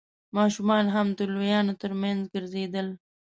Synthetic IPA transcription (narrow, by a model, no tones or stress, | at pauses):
mɑʃumɑnɦamd̪əlojɑnot̪əɾmanzɡəɾzed̪əl